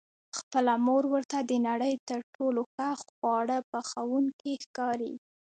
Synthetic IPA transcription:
xpəlamoɾwəɾt̪ad̪ənaɽəjt̪əɾʈolokaxwɑɽəpəxawunkexkɑɾḭ

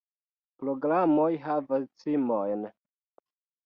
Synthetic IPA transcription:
pɾoɡɾamojɦavast͡simojn

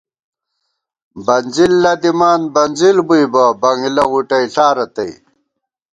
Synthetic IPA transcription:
bɐnzilːɐd̪imaːnbɐnzilbujbɐbɐŋilɐʁuʈɐjɬaːɾɐt̪ɐj

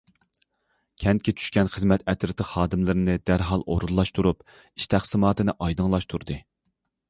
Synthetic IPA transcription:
kʲʰɛnt̪̚kʲɛt͡ʃʰy̥ʃkʲɛnχəzmɛt̪ɛt̪ɾɨt̪ʰəχɑːd̪ɨmlɪɾɪnɪd̪æɾɦɑlˠʔo̰ɾulˠːɑʃt̪ʰuɾup | i̥ʃt̪ʰæχsɨmɑːt̪ɨnɨʔɑjd̪ɨŋlˠɑʃt̪ʰuɾd̪ɨ

